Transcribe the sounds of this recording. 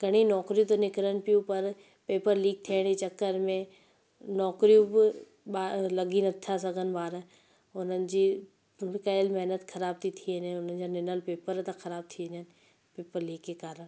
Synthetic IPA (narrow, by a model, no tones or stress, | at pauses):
ɡɐɽ̃inɔːkɾijũt̪onɪkəɾəñɪ̆pijũpɐɾ | peːpəɾliːɡ̚t̪ʰiəɽ̃d͡ʑit͡ɕɐkːəɾmẽ | nɔːkɾijũbɪ | ɓaːlɐɡinɐt̪ʰasɐɡʱənɪ̆baːɾə | ʊn̤ənɪ̆d͡ʑiː | mɪkaɪlmɛɦnət̪xʰɐɾaːb̚t̪ʰit̪ʰiənə̃ʊn̤ənɪ̆d͡ʑanɪnəlpeːpəɾt̪ɐxɐɾaːb̚t̪ʰiə̃ɲənɪ̆ | peːpəɾliːɡkekaːɾəɽ̃